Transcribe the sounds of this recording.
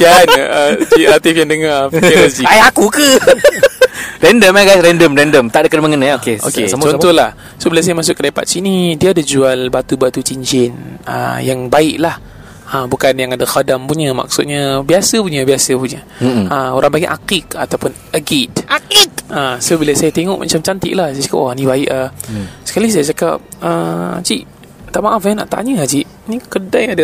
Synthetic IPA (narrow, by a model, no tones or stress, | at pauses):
t̪iaanəiat̪ɪfjaŋdəŋarilod͡ʒiajakukə | rɛndəmaɡajsɾɛndəmrɛndəmt̪aʔdəkədməŋənəokeo̰ket͡ʃɔt̪ɔhlah | sobilas̬ajamas̬ʊkːədaipa̰t̪̚t͡ʃinidiaːdad͡ʒualbat̪ubat̪ut͡ʃiɲd͡ʒɪnə̰jaŋbaɪʔlah | əbukanjaŋadaxadampuɲəma̰k̚sʊt̪̚ɲabiasəpuɲabiasəpuɲa | əoɾaŋbaɡiʔa̰kɪkat̪awpʊn | əɡit̪t̪əsobiləsajat̪eŋɔʔmʔa̰t͡ʃamt͡ʃant̪ɪ̰ʔlahsajad͡ʒakapʔanibaɪʔasə̥kalis̬ajad͡ʒaka̰p̚ət͡ʃiʔ | t̪aʔmaʔafjana̰ʔt̪a̰ɲəad͡ʒiʔ | nikədajada